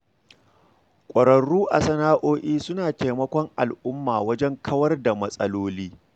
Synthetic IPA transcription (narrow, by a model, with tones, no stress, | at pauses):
kʷʼɐ˨ɾɐ˨ɽuː˦ʔa˨sɐ˦naː˦ʔoː˦ʔiː˦sʊ˦naː˨teː˨mɐ˦kʷɔ˦ŋʔa˨lʔʊ˦mːaː˨wɐ˦d͡ʒɛ˦ŋkʰɐ˦wɐ˦rda˨mɐ˦sʼɐ̰˦loː˦liː˦